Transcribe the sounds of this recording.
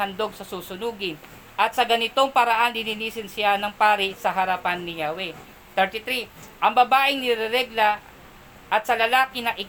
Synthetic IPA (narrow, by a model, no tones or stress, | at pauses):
ɐnd̪o̞ɡsɐsuːsʊnuːɡɪn | ʔɐt̪̚sɐɡɐnɪt̪o̞ŋpɐɾɐʔanlɪniniːsɪnsɪanɐŋpaːɾɪsɐɦɐɾapanːɪjawɛ | t̪ɛɹt̪it̪ɾi | ʔɐŋbɐbaːʔɪŋnɪɾɛɾɛɡla | ʔɐt̪̚sɐlɐlaːkɪnɐʔɪ